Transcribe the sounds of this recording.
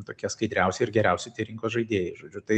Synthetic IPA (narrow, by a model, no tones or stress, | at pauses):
t̪oːkʲiɛskɐɪd̪ʲɾʲɛˑʊsʲɛɪɾɡʲɛɾʲɛˑʊsʲɪtʲiɛɾʲɪŋkoːsʒɐɪd̪ʲeːjɛʒoːd͡ʒʲʊt̪ɐɪ